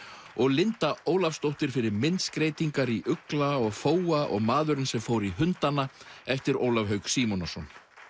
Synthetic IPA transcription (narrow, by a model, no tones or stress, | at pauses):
ɔɣlɪnt̪aoːwlafst̪owht̪ɪɾ̥fɪɾɪɾmɪnt̪skɾeːjt̪iŋkaɾiʔʏklaɔɣfoːwaʔɔ̰ɣmaːðʏɾɪnsɛmfowɾiɦʏnt̪anaɛft̪ɪɾo̰ːwlavɦœɥksiːmɔnasɔn